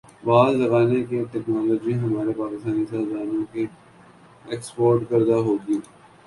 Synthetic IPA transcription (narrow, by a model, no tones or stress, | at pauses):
ʋaːzlɐɣaːnekeʈɛːknaːlɔːd͡ʒmĩɦɐmaːɾepaːkɪst̪aːnisaːd̪aːɾõki | eːkspoːɾʈkɐɾd̪aɦoːɡiː